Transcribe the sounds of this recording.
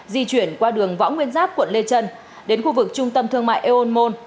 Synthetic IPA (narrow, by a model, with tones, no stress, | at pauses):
zi˧t͡ɕwi˧˩ənkwaː˧ɗɨ˨˩əŋvɔ̰˧˥wŋwi˧ənzaː˦˥k̚kwə˧˨nle˧t͡ɕə˧n | ɗe˨˦nxu˧vɨ˨˩k̚t͡ɕʊ˧ŋ͡mt̪ə˧mt̪ʰɨ˧əŋma̰ː˧˨jʔe˧ʔo˧nmo˧n